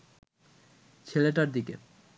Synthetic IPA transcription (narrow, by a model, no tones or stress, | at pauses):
t͡ɕʰeleʈaɾd̪ikḛ